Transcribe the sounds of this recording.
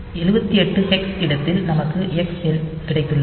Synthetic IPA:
ɛlɯbɐt̪ːiɛʈːɯɛksɪɽɐt̪ːɪlnɐmɐkːɯʔɛksɛlkɪɽɐɪt̪ːɯɭːɐ

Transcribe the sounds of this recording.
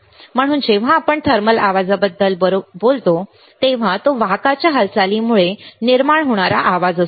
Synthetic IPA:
m̤əɽ̃uːnd͡ʑeʋ̤ãːpəɳt̪ʰəɾməlaʋad͡zabəd̪ːəlɾbolt̪o | t̪eʋ̤at̪oʋakat͡ɕjaɦəlsalimuɭeniɾmaɳɦoɽ̃aɾa̰ʔaʋad͡zəs

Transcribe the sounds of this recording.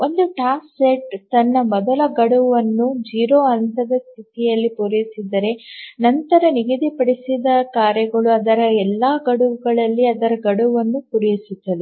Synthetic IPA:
o̞nd̪uʈaːsseʈt̪ɐnːɐmɔd̪ɐlɐɡɐɽuʋɐnːud͡ʒiːɾoːɐnt̪ɐd̪ɐst̪ʰit̪ijɐlːipuɾɐjisid̪ɐɾe̞nɐnt̪ɐɾɐniɡid̪ipɐɽisid̪ɐkaːɾjɐɡɐɭuɐd̪ɐɾɐɛlːaːɡɐɽuʋuɡɐɭɐlːiɐd̪ɐɾɐɡɐɽuʋɐnːupuɾɐjisud̪ːɐd̪e

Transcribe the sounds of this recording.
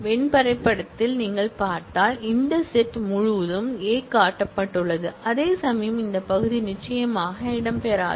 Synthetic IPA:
ʋɛɳpɐɾɐɪpːɐɽɐt̪ːɪlniːŋɡɐɭpaːɾt̪aːlɪnd̪ɐsɛʈːmʊɻʊʋɐðɯmeːkaːʈːɐpːɐʈːɯɭːɐðɯʔɐðeːsɐmɐjɐmɪnd̪ɐpɐɣɯðinɪt͡ʃːɐjɐmaːɣɐɪɽɐmpeːɾa̰ː

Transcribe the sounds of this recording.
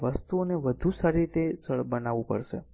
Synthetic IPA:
ʋəst̪uoneʋəd̪ʱũsaɾiɾit̪ed͡ʒəɭbənaʋũpə̰ɾʃḛ

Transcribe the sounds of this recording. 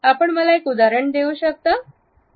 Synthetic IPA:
apəɳməlaekud̪aɾəɳd̪euːɕək̚t̪əː

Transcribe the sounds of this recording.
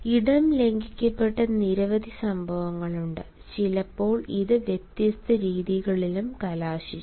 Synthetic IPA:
iɽɐmle̞ŋɡikʲːɐpːe̞ʈːɐniɾɐʋɐd̪ʱisɐmbʱɐʋɐŋːɐɭuɳɖɨ | t͡ɕilɐpːo̞ːɭiðɨʋjet̪jɐst̪ɐɾiːðiɣɐɭilumkɐlaːɕit͡ɕː

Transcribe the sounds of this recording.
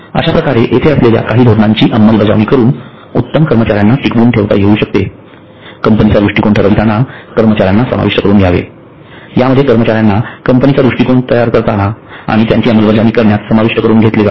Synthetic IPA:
ə̰ɕapɾəkaɾeʔet̪ʰeəslelja̰kaɦiːd̪ʱod̪naɲt͡ɕiːʔəmːəlbəd͡za̰ʋniːkəɾuːn | ut̪ːəmkəɾmət͡ɕaɾjanːaʈikbuːɳʈʰeʋt̪a̰jeuːɕək̚t̪e | kəmpənit͡sad̪ɾuʂʈikoɳʈʰəɾəʋit̪anakəɾmət͡ɕaɾjanːasə̰ma̰ʋiʂʈəkəɾuːnɡʱjaʋḛ | jaməd̪ʱːjekəɾmət͡ɕaɾjanːakəmpənit͡sad̪ɾuʂʈikoɳt̪əjaɾkəɾt̪anaa̰ɽ̃it̪jaɲt͡ɕiːəməlbəd͡zaʋniːkəɾɳjat̪səmaʋiʂʈəkəɾuːnɡʱet̪liɡa̰

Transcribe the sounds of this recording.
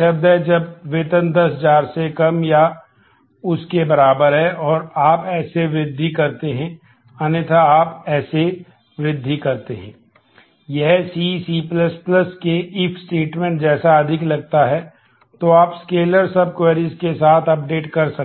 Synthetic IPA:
ɐb̚d̪ɦɛd͡ʒɐbʋɪt̪ənd̪ɐsɦd͡ʒaːɾsekɐmja | ʊskebɐɾaːbəɾɦɛʔɔːɾaːpɛːseʋɾɪd̪ʱːikɐɾt̪eɦɛ̃ | ɐnet̪ʰaaːpɛːse | ʋɾɪd̪ʱːikɐɾt̪eɦɛ̰̃ː | jɛɦsisiplɐspləskeɪpʰsʈeːʈmɛ̃ːɳʈ̚d͡ʒɛːsaɐd̪ʱɪklɐɡ̚t̪aɦɛ | t̪oaːpskeːləɾsɐb̚kweːɾizkesaːt̪ʰɐp̚ɖeːʈkɐɾsɐ

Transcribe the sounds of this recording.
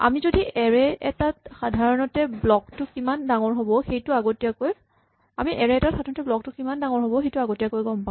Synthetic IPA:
a̰mizodiɛɹɛɛtatxadʱaɹɔnɔtɛblɔktʊkimandaŋɔɹɦobɔxejtʊaɡotijakoj | amiʔɛɹɛɛtaxadaɹnɔtɛblɔk̚tʊkimandaŋɔɹɦobɔxejtʊaɡotijakojɡɔmpã

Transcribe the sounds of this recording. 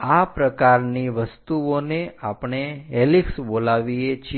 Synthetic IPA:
apɾəkaɾniʋəst̪uoneapɳ̃eɦeliksbolaʋiet͡ʃʰ

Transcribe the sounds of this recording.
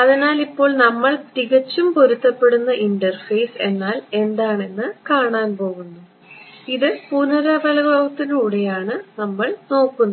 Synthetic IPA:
ɐðinaːlipːo̞ːɭnɐmːɐɭt̪iɣɐt͡ɕːumpoɾut̪ːɐpːe̞ɽunːɐʔiɳɖɐrfejse̞nːaːle̞nd̪aːɳe̞nːɨkaːɳaːnpo̞ːɣunːu | iðɨpunɐɾɐbɐlɐbɐʋɐt̪ːinuːɽe̞jaːɳɨnɐmːɐɭno̞ːkːunː

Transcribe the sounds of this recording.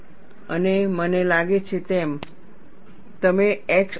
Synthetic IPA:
ə̰nemənelaɡet͡ɕʰet̪em | t̪əmeeks

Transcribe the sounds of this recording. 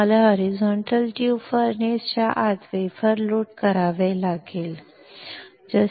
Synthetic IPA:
əlaɦɔɾizɔɳʈəlʈjufəɾnest͡ɕaʔat̪ʋejfəɾloʈkəɾaʋelaɡeːl | d͡zə

